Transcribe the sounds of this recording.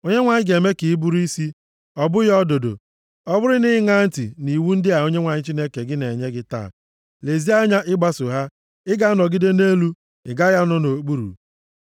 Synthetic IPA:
o˦ɲe˦ŋʷa˨ɲɪ˦ɡe˨me˦kɪ˨i˦bu˦ɾi˦si˦ | ɔ˦bʊ˦jɔ˦do˨do̰˨ | ɔ˦bʊ˦ɾɪ˦nɪ˦ŋa˦n̩˦tɪ̰˨ni˨wu˦n̩˦dɪ˦a˨o˦ɲe˦ŋʷa˨ɲɪ˦t͡ʃi˦ne˦ke˨ɡɪ˦ne˨ɲe˦ɡɪ˦ta̰ː˦˨ | le˨zi˦a˦ɲa˦ʔɪ˦ɡ͡ba˦sʊ˨ɦa˦ | ɪ˦ɡa˦nɔ˨ɡɪ˦de˦ne˦lu˦ | ɪ̰˨ɡa˦ja˦nɔ˦no˨˦k͡pu˦ɾṵ˨

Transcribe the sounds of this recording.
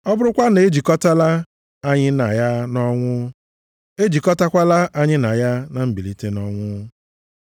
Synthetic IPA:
ɔ˦bʊ˦ɾʊ˦kʷa˦ne˦d͡ʒi˨kɔ˦ta˦la˦ | a˦ɲɪ˦na˨ja˦nɔ˦ŋʷʊ˦ | e˦d͡ʒi˨kɔ˦ta˦kʷa˦la˦ʔa˦ɲɪ˦na˨ja˦na˨m̩˦bi˨li˦te˦nɔ˦ŋʷʊ˦

